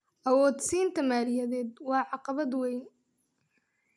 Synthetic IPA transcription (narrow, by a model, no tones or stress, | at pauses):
ʔɐwɔːd̪siːnt̪ʰɐmaːlɪjɐðɛːd̪wɑːʕɑqɑβɐd̪wɛjn